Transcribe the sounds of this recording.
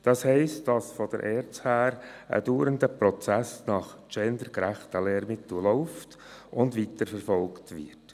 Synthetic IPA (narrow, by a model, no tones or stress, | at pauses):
d̥ɑshɛɪstd̥ɑsfɔd̥ə̰ɾʔɛːɾt͡shæːɾə̰d̥uːɾənd̪əpɾɔt͡sæsnɑχt͡ʃɛnd̪əɾkɾæχtəlɛɾmɪt̪ulɔʊft | ʔʊndʋitəɾfɛɾfɔlktʋɪ̰ɾt